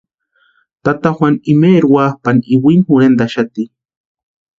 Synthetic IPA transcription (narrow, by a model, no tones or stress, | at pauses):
t̪at̪axwʷanimeɾwahpaniwinhuɾend̪aʃat̪i